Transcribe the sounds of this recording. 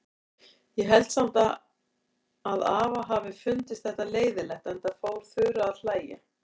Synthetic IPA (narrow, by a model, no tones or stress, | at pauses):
jɛɦɛlt̪sam̥t̪a | ðaːvaɦaːvɪfʏnt̪ɪst̪θɛht̪aleːjðɪlɛht̪ɛnt̪aðfoːwɾ̥θʏːɾʏaðl̥aːjɪ